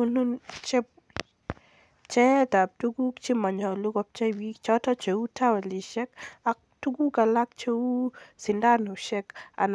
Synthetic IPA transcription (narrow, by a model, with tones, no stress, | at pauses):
unut͡ʃɛ˦p | t͡ʃɛ˦t̪a˨p̚tu˦ɡu˦kt͡ʃima˨ɲɔ˨lu˦ɡɔp̚t͡ʃa˦wikt͡ʃɔtɔ˦t͡ʃeutawɛ˨liʃɛ˦kak̚ | tu˦ɡu˦ka˨lakt͡ʃewusɪ˨nda˦no˨ʃɛka̰˨n